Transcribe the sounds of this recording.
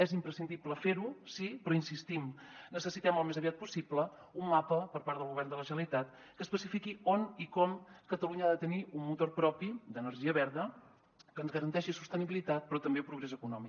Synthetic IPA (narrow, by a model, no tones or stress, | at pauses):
ɛzimpɾəsind̪ipləfeɾusipɾɔinsist̪imnəsəsit̪ɛməlˠmezəβiat̪̚pusiblə | umːapəpəɾpaɾt̪dðəlˠɣuβɛrnd̪ələʒəlit̪at̪ | kəspəsifikionikɔmkət̪əluɲəaðət̪əniummut̪orpɾɔpid̪ənəɾʒiəβɛɾðə | kənzɣəɾənt̪ɛʃisust̪əniβilit̪at̪̚pɾɔt̪əmbepɾuɣɾezəkunɔmi